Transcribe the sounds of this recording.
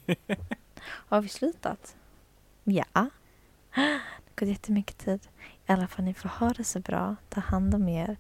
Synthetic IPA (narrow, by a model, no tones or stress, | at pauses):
havɪslʉ̟ːt̪a̰t̪ | ja̰ | d̪ɛɡ̥oːd̪jɛt̪ʰːəmʏkːə̥t̪ʰiːd̪̥ɪalːafalnɪfoːɾhœːɾasɛbɾɑ̰ːt̪ʰɑːhand̪ɔmeːɾ